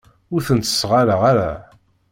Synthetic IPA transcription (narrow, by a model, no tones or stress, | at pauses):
ʊɾθənt̪ə̥sʁaɾəʁaɾa̰